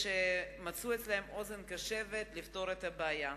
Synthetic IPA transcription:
ʃemat͡suet͡slahemʔozenkaʃevet̪lift̪o̞ɾet̪habeaja

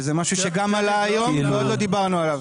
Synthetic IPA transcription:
zemaʃuʃeɡamalaːjo̞mveod̪lo̞d̪ibaʁnualav

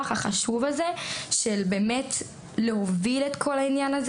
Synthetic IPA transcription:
aχaχaʃuvazeʃelbe̞ːmet | leɦoviletkʰo̞lainjanaz

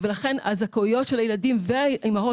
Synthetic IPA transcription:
velaχe̞na̰zakoijo̞tʃelajeladimveaimao

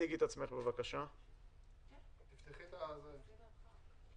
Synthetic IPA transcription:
iɡit̪at͡sme̞χbevakaʃa | t̪ift̪iχit̪aze

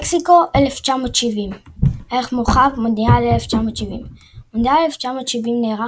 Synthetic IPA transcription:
ksiko̞ʔeleft͡ʃamo̞tʃivimʔeeχmoχavmodnialeleft͡ʃamotʃivḭm | modiaeleft͡ʃamo̞t̪ʃivimneːʁa

